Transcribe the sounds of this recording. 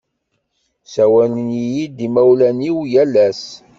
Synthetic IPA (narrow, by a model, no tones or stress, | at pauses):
sæwælənjijid̪imæwlæniwjælːæs